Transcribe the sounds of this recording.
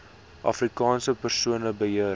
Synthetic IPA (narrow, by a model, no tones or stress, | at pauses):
ʔɑ̰frikɑːnsəpərsuənəbəɦiə